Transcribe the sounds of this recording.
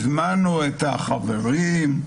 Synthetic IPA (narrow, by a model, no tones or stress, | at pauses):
zmanuet̪aχaveʁim